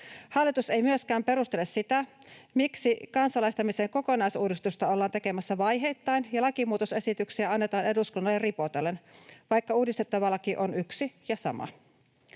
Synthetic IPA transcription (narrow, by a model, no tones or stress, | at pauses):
hɑlːit̪use̞jmyøskæːmpe̞ɾust̪elessit̪æ | miksikɑnsɑlɑjst̪ɑmiseːŋko̞ko̞nɑjsuːdist̪ust̪ɑolːɑːnt̪e̞ke̞mæsːæʋɑjɦe̞jt̪ːɑjnjɑlɑkimuːt̪ose̞sit̪yksiæɑnːet̪ɑːne̞duskunːɑlːerripot̪elːenʋɑjkːɑuːdist̪et̪ːɑʋɑlːɑkiʔonyksijɑsɑ̰mɑ̰